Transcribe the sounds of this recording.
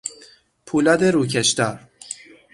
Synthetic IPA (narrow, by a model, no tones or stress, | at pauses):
pʰuːlɒːd̪eɾuːc̬ʰeʃt̪ɒːɾ